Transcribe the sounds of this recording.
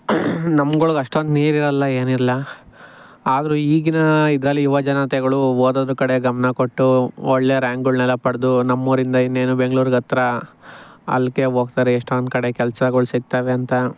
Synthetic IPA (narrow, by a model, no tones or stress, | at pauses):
nɐmɡoɭuɡɐʂʈond̪niːɾiɾɐlːɐe̞ːniɾɐlɐ | aːd̪ɐɾuiːɡinɐid̪ɾɐlːiiʋɐd͡ʒɐnat̪ɛɡɐɭuoːd̪ɐd̪ɾukɐɽe̞ɡɐmɐnɐkoʈːuɔɭːe̞ːɾaːŋɡuɭnɛlːɐpɐɽɐd̪unɐmːuːɾind̪ɐinːeːnube̞ŋɡɭuːɾuɡɐt̪ɾɐ | ɐ̰lke̞ɦoːɡ̚t̪aːɾeːʂʈond̪kɐɽe̞kɛlsɐɡoɭsiɡ̚t̪aːʋe̞ɐnt̪ɐ